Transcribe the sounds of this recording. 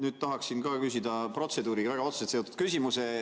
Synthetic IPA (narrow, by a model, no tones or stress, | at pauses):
nyːd̪̚t̪ɑɦɑksinkɑːkys̬ʲid̪ɑpro̞t̪se̞d̪uːɾiɡɑvæɡ̥ɑo̞t̪set̪seot̪ːˑud̪̥kysʲimuse